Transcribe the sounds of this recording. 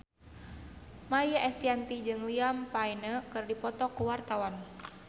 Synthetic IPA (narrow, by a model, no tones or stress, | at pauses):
majaʔɛst̪iant̪id͡ʒɨŋliampainəkɨrdipɔt̪ɔkuwart̪awan